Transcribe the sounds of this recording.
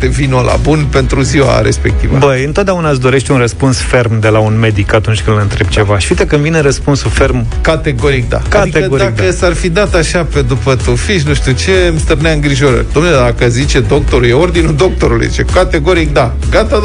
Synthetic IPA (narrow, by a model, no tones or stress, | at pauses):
t̪evinolʔa̰bunpe̞nt̪ɾuziwa̰ɾe̞̰spe̞k̚t̪ḭvə̰bəjɨnt̪ot̪̚d̪eaunas̬d̪o̞ɾe̞ʃt̪ʲunrəspunsfe̞rmd̪e̞launme̞d̪ikat̪unt͡ʃʲkɨnd̪ləɨnt̪ɾeb̚t͡ʃe̞vaʃi̥fit̪ekɨnd̪vineɾəspunsufe̞rmkat̪e̞ɡo̞ɾik̚d̪a̰kːadaieəod̪iakdəsarfid̪at̪aʃaped̪upət̪ofiʃ̬nuʃt̪ut͡ʃe̞mst̪ɨrneaɨŋɡɾiʒo̞ɾə̰rʲd̪o̞mneled̪akəzit͡ʃe̞d̪o̞k̚t̪o̞ɾujeo̞rd̪inud̪o̞k̚t̪o̞ɾulṵjḭt͡ʃekat̪e̞ɡo̞ɾik̚d̪a | ɡat̪a